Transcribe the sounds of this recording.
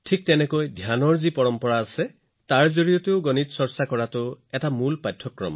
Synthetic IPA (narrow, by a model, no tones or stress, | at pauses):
ʈʰik̚t̪enekojd̪ʱjanɔɹzipɔɹɔmpɔɹaːse | t̪aɹzoɹijɔt̪eʊɡɔnit̪sɔɹsakɔɹat̪uetamulpajtʰːɔkːɹɔ̰mɔ